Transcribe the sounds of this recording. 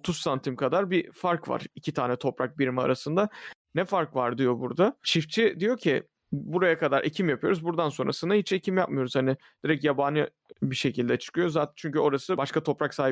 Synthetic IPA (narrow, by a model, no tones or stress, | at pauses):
t̪ʰusːant̪ʰimkad̪aɾbifaɾkva̰ɾicʰit̪ʰaːnɛt̪ʰo̞pɾak̚biɾmaa̰ɾasɯnd̪anɛfaɾkvaɾd̪ijo̞buɾd̪at͡ʃʰift͡ʃʰid̪ijo̞cʰi | buɾajakad̪aɾʔe̞̰cʰimjapʰɯjo̞ɾuzbuɾd̪anso̞nɾʔa̰sɯnd̪aɦit͡ʃʰecʰimjap̚mɯjo̞ɾuz̥hanɪ | d̪̥iɾɛcjabanɯ | biʃe̞cʰilʲd̪ɛt͡ʃʰɯ̥kɯjo̞zaːt̪ʰænt͡ʃʰyɲcyo̞ɾasɯbaʃkat̪ʰo̞pɾaksaːɦi